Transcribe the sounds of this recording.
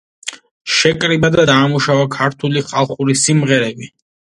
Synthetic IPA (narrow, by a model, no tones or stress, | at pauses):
ʃɛkʼɾibad̪ad̪aːmuʃavakʰaɾt̪ʰuliχalˠχuɾisimʁɛɾɛbi